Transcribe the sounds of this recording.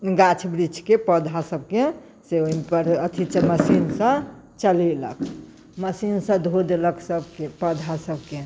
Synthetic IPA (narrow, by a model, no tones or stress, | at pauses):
ɡat͡ʃʰbɾit͡ʃʰkepəd̪ʱasəb̚ʱke | seoipəɾət̪ʰit͡ʃəməsinsə̃ | t͡ʃəlelə̰k | məsinsə̃d̪ʱod̪eləksəbkepəd̪ʱasəb̚ke